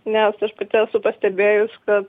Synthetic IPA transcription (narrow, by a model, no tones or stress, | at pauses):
nʲɛsɐʃpɐt̪ʲɪɛsʊpɐsʲt̪ʲɛbʲeːjʊskɐt̪